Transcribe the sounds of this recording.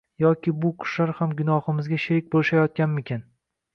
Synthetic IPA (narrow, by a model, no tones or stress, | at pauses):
jɒkʲɪbʊqʰʊ̥ʃlaɾhamɡʲʊnɒhɪmɪzɡʲaʃɪɾɪk̚ʲbolʃajɒt̪̚kʲanmɪkʲʰan